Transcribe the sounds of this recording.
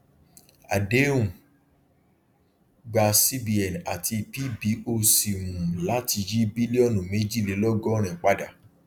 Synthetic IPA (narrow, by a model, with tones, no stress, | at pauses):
a̰˨de˨˦ũ˨ | ɡ͡ba˧si˦bi˧ɛ˨n˨a˨tʰi˧pi˦bi˨˦o˧si˨mũ˨la˨˦ti˧d͡ʒi˦bi˦li˦ɔ˦˨nũ˨me˦d͡ʒi˦˨le˨˦lɔ˦ɡɔ˦ɾ̃ɛ̃˨k͡pa˦da˦˨